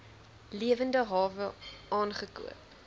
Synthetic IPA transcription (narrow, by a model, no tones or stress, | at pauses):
liəvəndəɦɑːvəɑːnχəkṵəp̚